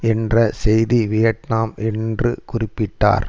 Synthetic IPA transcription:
ɛndrɐsɛjðiʋɪjɐʈnaːmɛndrɯkʊrɪpːɪʈːa̰ːɾ

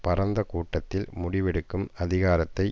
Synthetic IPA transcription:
pɐɾɐnd̪ɐkuːʈːɐt̪ːɪlmʊɽɪʋɛɽɯkːɯmɐðɪɣaːɾɐt̪ːɐɪ

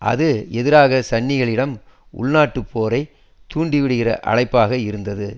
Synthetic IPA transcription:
ʔɐ̰ðɯɛðɪɾaːɣɐsɐɳːɪɣɐɭɪɽɐm | ʊ̰ɭnaːʈːɯpʰːoːɾɐɪ | t̪uːɳɖɪʋɪɽɯɣɪrɐ̰ʔɐ̰ɻɐɪpːaːɣɐɪɾɯnd̪ɐðɯ

